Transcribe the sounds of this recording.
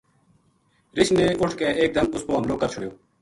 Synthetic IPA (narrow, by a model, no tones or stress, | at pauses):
ɾɪʃneːʔʊʈʰkeːʔeːk̚d̪əmʊspoːɦəmloːkəɾt͡ʃʰʊɽjoː